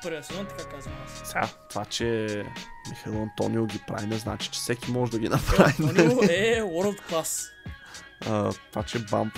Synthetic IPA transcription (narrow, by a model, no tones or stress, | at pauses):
pɾjɐsnuɐt̪ɐkakazəmassɛɡa̰t̪ovat͡ʃɛ | mixɐilˠɐnt̪ɔ̰niʊɡʲipɾa̰vinɛzna̰t͡ʃi̥t͡ʃɛ̥sɛkʲimɔʒɛd̪ɐɡʲinɐpɾavinnɛɔɾlˠt̪klˠas | ət̪ovat͡ʃɛba̰mp